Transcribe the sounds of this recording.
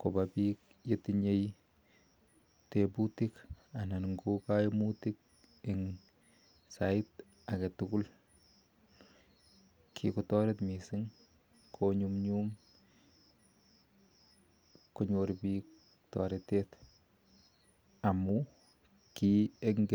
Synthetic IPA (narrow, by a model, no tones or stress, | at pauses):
kobabik | jetiɲej | tebutɪkananŋɡokajmutɪk̚ | ɪŋ | saɪt | akatʊkʊl | kʰḭkɔtɔɾetmisɪŋ | kʰoɲumɲum | koɲoɾbik̚ | tɔ̰ɾetet | amu | kieŋɡe